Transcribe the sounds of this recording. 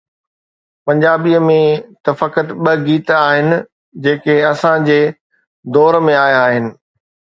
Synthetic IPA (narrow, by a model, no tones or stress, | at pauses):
pɐ̃ɲd͡ʑaːbiəmẽt̪ɐfɐkət̪ɓɐɡiːt̪aːɦɪnɪ̆ | d͡ʑeːkeɐsãd͡ʑeː | d̪ɔːɾmẽaːjaːɦɪnɪ̆